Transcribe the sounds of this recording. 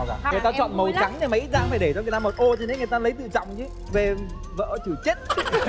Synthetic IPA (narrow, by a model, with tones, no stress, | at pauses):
ŋː˨˩jt̪aː˧t͡ɕɔ̰˧˨nmə˨˩wt͡ɕa˨˦ŋɗe˨˩ma˨˧˨ʔi˦˥t̚za̰ː˧˥faː˧˩jɗe˧˩t͡ɕɔ˧ŋ˨˩jt̪aː˧mo˨˩t̚ʔo˧t͡ɕʰi˧˩ne˨˦ŋɨ˨˩jt̪aː˧lə˨˦jt̪ɨ̰˧˨t͡ɕɔ̰˧˨wŋ͡mt͡ɕɨ˨˦ | ve˨˩ | və̰ː˧˥t͡ɕu˧˩t͡ɕe˦˥t̚